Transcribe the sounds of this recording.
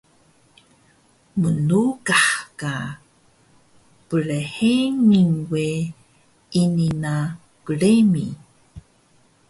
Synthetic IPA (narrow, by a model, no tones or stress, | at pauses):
mənuɡaħka | pəɭeheniŋwe | inina | kəɭemḭ